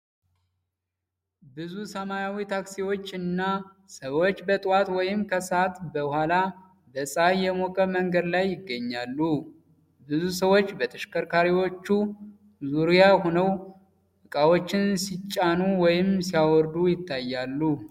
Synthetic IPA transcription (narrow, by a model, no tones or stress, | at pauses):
bɨzusəmajawit̪ʰaksiwo̞t͡ʃːɨnːa | səwo̞t͡ʃːbət̪ʼwat̪wɔjɪmkʰəsat̪bəhala | bəsʼajːɛmokʼəməŋɡəd̪lajːɪɡːəɲːalːu | bɨzusəwo̞t͡ʃːbət̪ʰəʃkəɾkʰaɾiwo̞t͡ʃːu | zuɾijahonəw | ʔɨkʼawo̞t͡ʃːɪnsit͡ʃʼːanuwɔjɪmsijawɔɾd̪ujɪt̪ʰːajːalːu